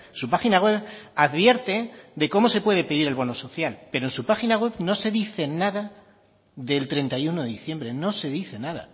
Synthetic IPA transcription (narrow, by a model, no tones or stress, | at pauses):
supaxinaɣwe̞βaðβje̞ɾt̪e̞ðe̞ko̞mo̞se̞pwe̞ð̞e̞pe̞ðiɾe̞lβono̞so̞θjalpe̞ɾoensupaxinaɣwe̞βno̞se̞ðiθe̞naða | ðe̞lt̪ɾe̞nt̪ajuno̞ðe̞ðiθje̞mbɾe̞no̞se̞ðiθe̞naða̰